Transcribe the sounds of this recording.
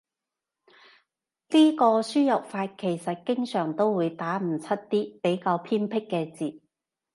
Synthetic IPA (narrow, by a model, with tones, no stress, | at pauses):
liː˥kɔː˧syː˥jɐ˨˩p̚faː˧t̚kʰe˨˩jsɐ˨t̚kɪ˥ŋsœː˨˩ŋt̪o˥wwuː˨˧jt̪aː˨˥m̩˨˩t͡sʰɐ˥t̚t̪iː˥pe˨˥jkaː˧wpʰiː˥npʰɪ˥kːɛː˧t͡siː˨˩t̚